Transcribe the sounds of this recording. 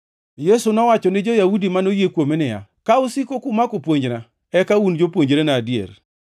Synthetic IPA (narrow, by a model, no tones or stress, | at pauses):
jesunɔwat͡ʃɔnɪd͡ʒojaudimanojekwomenɪja̰kaʊsikokʊmakopwoɲd͡ʒna | ɛkaund͡ʒopwoɲd͡ʒɾenaːdjḛɾ